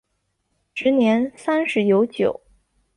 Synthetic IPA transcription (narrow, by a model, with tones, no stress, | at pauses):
ʂɻ̩˧˥njɛ˧˥nsa˥nʂɻ̩˧˥jo˧˥ʊt͡ɕjo˨˩˦ʊ